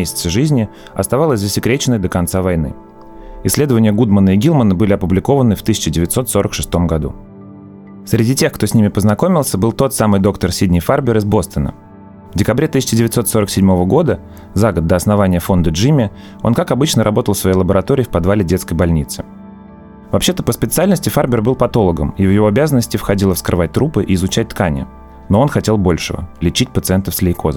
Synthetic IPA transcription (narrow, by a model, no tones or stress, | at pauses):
esʲɪ̥t̪səʐɨzʲnʲɪ | ɐ̰st̪ɐvalˠəsʲzəsʲɪkɾʲet͡ɕɪnːəjd̪əkɐnt̪savɐjnɨ̰ | ɪsʲlʲe̞d̪əvənʲɪjəɡud̪mənəɪɡʲilˠmənəbɨlʲɪɐpʊblʲɪko̞vənɨft̪ɨsʲɪt͡ɕɪdʲɪvʲɪt̪ʲso̞t̪so̞ɾəkʂɨst̪o̞mɡɐd̪ṵ | sɾʲɪdʲitʲe̞xkt̪osʲnʲimʲɪpəznɐko̞mʲɪlˠsʲəbɨlˠt̪o̞t̪samɨjd̪o̞kt̪ərsʲidʲnʲɪjfarbʲɪɾɨzbo̞st̪ənə̰ | vdʲɪkɐbɾʲet̪ɨsʲɪ̥t͡ɕɪdʲɪvʲɪt̪so̞t̪so̞ɾəksʲɪdʲmo̞vəɡo̞d̪ə | zaɡəd̪ːəɐsnɐvanʲɪjəfo̞nd̪əʐɨmʲɪ | o̞̰nkakɐbɨt͡ɕnəɾʔɐbo̞t̪əlˠsvɐjejlˠəbəɾɐt̪o̞ɾʲɪːfpɐd̪valʲɪdʲet̪skəjbɐlʲnʲit̪sɨ | vɐpɕːe̞t̪əpəspʲɪt̪sɨalʲnəsʲtʲɪfarbʲɪrbɨlˠpɐt̪o̞lˠəɡə̰mivjɪvo̞ɐbʲazənːəsʲtʲɪfxɐdʲilˠəfskɾɨ̰vat̚ʲt̪ɾupɨʔɪːɪzʊt͡ɕæt̚ʲt̪kanʲɪ̰ | no̞o̞nxɐtʲe̞lˠbo̞lʲʂɨvə̰lʲɪt͡ɕitʲpət̪sɨɛnt̪əfsʲlʲɪkʰo̞zə